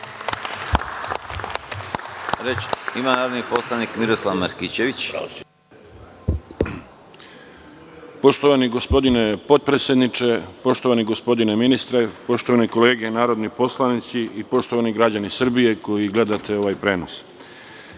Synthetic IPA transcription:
ɾet͡ɕimanaːɾod̪niposlˠanikmiɾoslˠaʋmaɾkit͡ɕeʋit͡ɕ | po̞ʃt̪o̞ʋaniɡo̞spo̞d̪ine̞po̞t̪̚pɾet̪sʲe̞d̪nit͡ʃe̞po̞ʃt̪o̞ʋaniɡo̞spo̞d̪ineminist̪ɾepo̞ʃt̪o̞ʋaniko̞leːɡenaːɾo̞d̪nipo̞slˠanit̪siipo̞ʃt̪o̞ʋaniɡɾad͡ʑanisr̩bije̞ko̞jiɡle̞d̪at̪e̞o̞ʋajpɾe̞ːnos

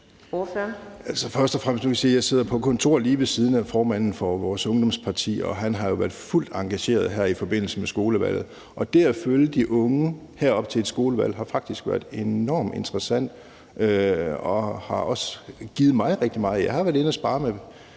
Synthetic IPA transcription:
fælsəfɶɐsd̥ɒfʁam̰əsdnukʰsiːjɑ̈ɪse̝ð̞̰ˠɐpʰɒ̽kʰɒ̽nt͡sʰo̝ɐ̰liːʋe̝siːð̞ˠn̩æfɒːmæn̰n̩fɒ̽ʋɒːsɔ̽ŋd̥ɒ̽mspʰɑ̈t͡sʰḭːɒ̽ɦænɦɑ̈jo̝ʋæɐd̥ful̰d̥ɑ̈ŋɡ̥æɕe̝̰ːɐð̞̩ˠɦæɐ̰ifɒ̽b̥e̝n̰l̩səmesɡ̥o̝ːləʋæ̰l̰ð̩ˠ | ʔɒ̽d̥eæføljəd̥iʔɔ̽ŋə | hæɐ̰ɒ̽b̥̚t͡sʰe̝e̝d̥sɡ̥o̝ːləʋæl̰ɦɑ̈fɑ̈ɡ̥̚d̥isɡ̥ʋæɐ̰d̥ˠe̝nɒ̰ːme̝nd̥ʁɐsæn̰d̥ | øɒ̽hɑ̈ʔɒ̽sɡ̥ið̩ˠmɑ̈ɪʁeɡ̥̚d̥imɑ̈ːðˠjɑ̈ɪhɑ̈ʋæɐdˠe̝nɒsb̥ɑ̈ːme

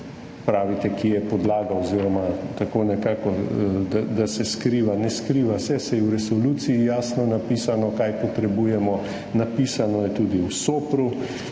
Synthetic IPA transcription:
pɾaːʋit̪ɛkijɛpɔd̪laːɡawoziɾɔmat̪akoːnɛkaːkɔd̪ad̪asɛskɾiːʋanɛskɾiːʋasɛsɛjɛwɾɛsɔlut̪siijaːsnɔnapiːsanɔkajpɔt̪ɾɛbuːjɛmɔ | napiːsanɔjɛt̪uːd̪iusoːpɾu

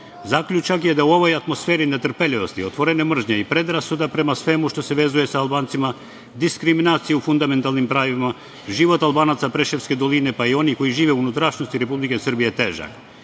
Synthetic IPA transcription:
zakʎʲut͡ʃakje̞d̪auo̞ʋo̞jat̪mo̞sfeːɾinet̪r̩peʎʲiʋo̞st̪iot̪ʋo̞ɾenemr̩ʒɲeipɾe̞d̪ɾasud̪apɾe̞masʋe̞muʃt̪o̞se̞ʋe̞ːzuje̞saːlˠbaːnt̪sima | d̪iskɾiminaːt̪sijeufund̪ame̞nt̪alˠnimpɾaːjiʋima | ʒiʋo̞t̪alˠbaːnat̪sapɾeʃefske̞d̪o̞linepaio̞niko̞jiʒiːʋeunut̪ɾaʃno̞st̪iɾe̞publikesr̩bijet̪eʒa̰k

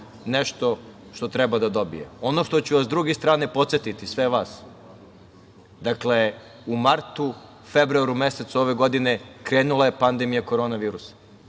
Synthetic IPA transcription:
neʃt̪o̞ | ʃt̪o̞t̪ɾɛbad̪ad̪o̞bḭjḛo̞no̞ʃt̪ot͡ɕuʋasd̪ɾuɡest̪ɾaːne̞po̞t̪set̪it̪isʋeʋaːs | d̪akle̞ | umaɾt̪u | febɾuaɾumeset̪so̞ʋe̞ɡo̞d̪ine̞kɾeːnulˠaje̞pand̪emijako̞ɾo̞ːnaʋiːɾusḁ

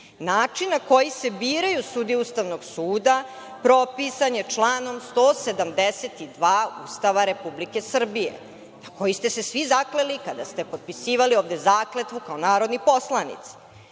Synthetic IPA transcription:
naːt͡ʂinːako̞jise̞biːɾajusud̪iust̪aʋnoɡsuːd̪a | pɾo̞pisaɲe̞t͡ʂlˠaːno̞mst̪ose̞d̪amd̪eset̪id̪ʋaːṵst̪aʋaɾe̞publike̞sr̩bijḛ | nako̞jist̪e̞se̞sʋizaklelikad̪ast̪e̞pod̪̚pisiːʋalioːʋd̪ezaːklet̪ʋukaonaːɾo̞d̪nipo̞slˠanḭt̪si̥

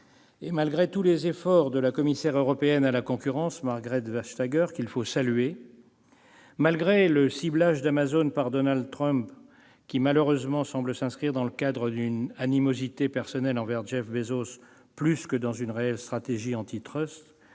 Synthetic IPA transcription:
emalɡʁet̪ulezefɔʁd̪əlakɔmisɛʁøʁɔpeɛnalakɔ̃kʲyʁɑ̃smaʁɡʁɛt̪vaʃt̪aɡœʁkilfosalɥe | malɡʁeləsiblaʒd̪amazonpaʁd̪ɔnald̪t̪χœ̃mp | kʲimaløʁøzmɑ̃sɑ̃bləsɛ̃skχiʁd̪ɑ̃ləkad̪ʁəd̪ynanimozit̪epɛʁsɔnɛlɑ̃vɛʁʒɛfbezos | plyskəd̪ɑ̃zynʁeɛlst̪χat̪eʒiɑ̃t̪it̪χœst̪

